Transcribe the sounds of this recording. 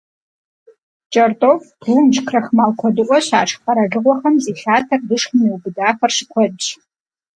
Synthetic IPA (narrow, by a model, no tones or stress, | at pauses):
t͡ʃʼɐrtʼofbruːmt͡ʃkʰrɐxmaːlkʷʰɔdɨʔʷʼɔɕa̰ːʈ͡ʂʰpɐɾɐɮɨʁʷɔχɐmziːɬaːtʰɐrdɨʂχmiwubɨdaːfɐrʃɪkʷʰɔdɕʼ